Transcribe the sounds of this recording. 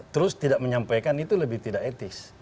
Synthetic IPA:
t̪əɾʊst̪idaʔməɲampajkanit̪uləbɪht̪idaket̪ɪs

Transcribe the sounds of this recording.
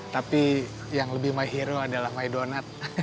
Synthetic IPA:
t̪api | jaŋləbɪhmaiɦiɾoadalahmaidonat̪̚

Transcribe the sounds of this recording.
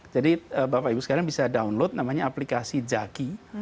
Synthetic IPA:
d͡ʒadiəbapaibusə̥kaɾaŋbisadaunlot̪̚namaɲaaplikasid͡ʒaki

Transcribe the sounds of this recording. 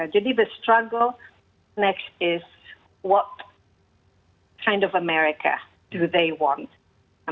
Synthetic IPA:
dɨnivɨstɹ̥ʌɡl̩ˠ | nɛkstɪz̥ | wʌt̚ | kʰãɪ̃ndʌvəmɛɹɪkʰə̰ | d̥ɨðeɪwɔ̃nt̚

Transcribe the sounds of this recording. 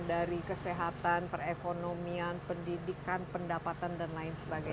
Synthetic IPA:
daɾikəseɦat̪anpərekonomianpəndidikanpəndapat̪andanlaɪnsəbaɡa

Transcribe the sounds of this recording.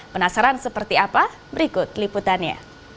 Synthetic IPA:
pənasaɾansəpərt̪iapa | bəɾikʊt̪̚liput̪anɲa̰

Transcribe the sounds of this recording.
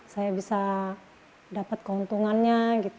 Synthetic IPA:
sajabisa | dapat̪̚kəunt̪uŋanɲaɡit̪

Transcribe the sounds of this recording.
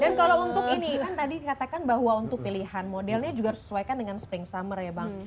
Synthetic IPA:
dankalount̪ʊkinikant̪adikat̪akanbaɦwaunt̪ʊk̚piliɦanmodɛlɲad͡ʒuɡasə̥suajkandəŋansə̥pɪŋsamərjabaŋ

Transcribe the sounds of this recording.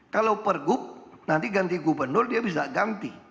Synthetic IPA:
kalawpərɡʊp̚nant̪iɡant̪iɡubərnʊrdiabis̬aɡant̪i

